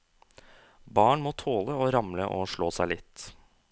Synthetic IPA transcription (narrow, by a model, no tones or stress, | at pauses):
bɑːɳmoːt̪ʰoːləoːɾɑmləʔo̰ːʂɭoːsæɪlɪt̪